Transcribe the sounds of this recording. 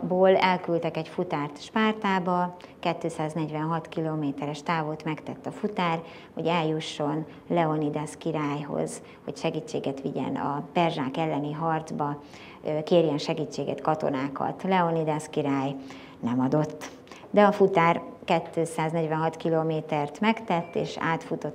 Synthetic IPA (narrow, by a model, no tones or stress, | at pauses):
boːlɛlkylt̪ɛkɛcfut̪aːrt̪ʃpaːrt̪aːbɒ | kɛt̪ːøːsaːznɛɟʋɛnɦɒt̪kiloːmeːt̪ɛɾɛʃt̪aːvoːt̪mɛkt̪ɛt̪ːɒfut̪aːr | ho̞̰ɟɛljuʃːo̞n | lɛo̞nid̪ɛskiɾaːjɦo̰z̥ | ho̞cʃɛɡiːt͡ʃːeːɡɛt̪ʋiɟɛ̰nɒ̰pɛrʒaːkɛlːɛniɦɒrd̪zbɒ | keːrjɛnʃɛɡiːt͡ʃːeːɡɛ̰t̪kɒt̪o̞̰naːkɒ̰t̪lɛo̞nid̪ɛskiɾaːj | nɛmɒd̪o̞t̪ː | d̪ɛɒfut̪aːrkɛt̪ːøːsaːznɛɟʋɛnɦɒt̪kiloːmeːt̪ɛrt̪mɛkt̪ɛt̪ːḛːʃa̰ːt̪fut̪o̞t̪ː